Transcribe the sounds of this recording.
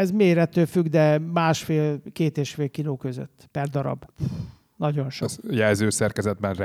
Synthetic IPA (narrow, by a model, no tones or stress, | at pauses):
ɛzmeːɾɛt̪øːfyɡd̪ɛmaːʃfeːlkeːt̪eːʃfeːlkiloːkø̞zø̰t̪ːpɛrd̪ɒɾɒ̰b | nɒɟo̞nʃojɛlzøːsɛrkɛzɛd̪̚bɛnr